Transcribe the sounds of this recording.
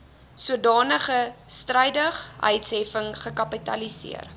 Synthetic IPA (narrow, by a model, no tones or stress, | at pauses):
suədɑːnəχəstrəjdəχœ̰jtsɦɛfəŋχəkɐpitɐ̰lisḭər